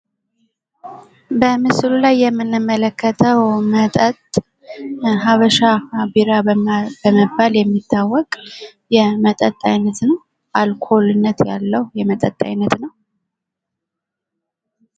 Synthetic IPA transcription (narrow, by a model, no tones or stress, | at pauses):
bəmɨsɨlulajːɛmːɨnːɨmːələkʰːət̪ʰəwmət̪ʼət̪ʼ | ɦaβəʃabiɾabəməbːaljɛmːit̪ʰːawːɔkʼjɛmət̪ʼət̪ʼajnːət̪nəw | ʔalkʰo̞lɨnːət̪ja̰lːəhjɛmət̪ʼət̪ʼːa̰jnːət̪nəw